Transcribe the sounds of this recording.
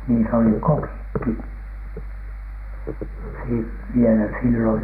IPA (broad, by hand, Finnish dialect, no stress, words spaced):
niːs oli kokikːi si ʋielæ silːoj